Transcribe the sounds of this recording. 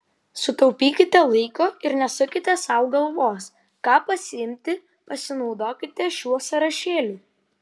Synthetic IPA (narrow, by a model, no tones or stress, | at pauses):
sʊt̪ɔʊpʲiːkʲɪt̪ʲɛlˠɐɪkoːɪɾnʲɛsʊkʲɪt̪ʲɛsɐˑʊɡɐlˠʋoːs | kɑːpɐsʲɪɪmʲt̪ʲɪ | pɐsʲɪnɒʊd̪oːkʲɪt̪ʲɛʃʲuɔsɐɾɐʃʲeːlʲuː